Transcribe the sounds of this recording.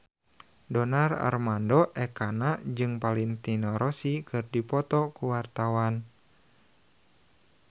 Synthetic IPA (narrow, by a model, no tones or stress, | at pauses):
dɔnara̰rmandɔʔɛkanad͡ʒɨŋpaliŋt̪inɔɾɔsikɨrdipɔt̪ɔkuwart̪awan